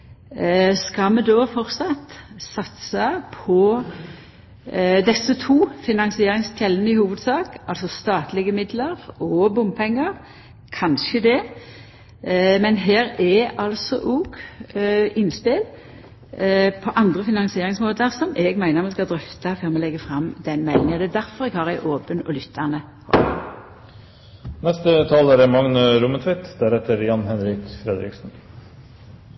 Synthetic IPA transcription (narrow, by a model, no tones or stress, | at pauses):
skɑmɛd̪oːfɔʁsɑt̪sɑt̪sɑpʰɔ | d̪ɛsːət̪ʰuːfɪnɑnsɪeːɾɪŋst̪ʰɛlːənəɪhuːʋəd̪sɑːkɑlsɔst̪ɑːt̪lɪɡəmɪd̪ləʁɔbʊmbpʰɛŋːəʁ | kʰɑnʃəd̪ɛ | mɛnɦæːɾɛɑlsɔʔɔɡ | ɪnːspɪl | pʰɔʔɑnd̪ʁəfɪnɑnsɪeːɾɪŋsmoːt̪əʁsɔmʔɛɡmæɪnəɾmɛskɑd̪ʁʏft̪ɑføːʁmɛlɛɡːəfʁɑmd̪ɛnmɛlːɪŋənɔd̪ɛːd̪æɾfɔʁɛɡhɑːʁæɪʔoːpənɔ̰lʏt̪ʰːæʁnə | hɔ̰ | nɛst̪ət̪ʰɑːlæɾɛmɑŋnəɾʊmət̪ʰʋɪt̪d̪æɾɛt̪əɾjɑnɦɛnɾɪkfɾɛd̪ɾɪ̰ksn̩